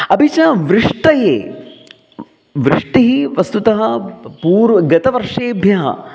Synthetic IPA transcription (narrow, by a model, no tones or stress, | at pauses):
ɐbʱit͡ʃɐʋɾɪʂʈɐjeː | ʋɾɪʂʈiɦiʋɐst̪ut̪ɐɦɐpuːɾʋɐɡɐt̪ɐʋɐɾʂeːbʱjɐɦɐ̰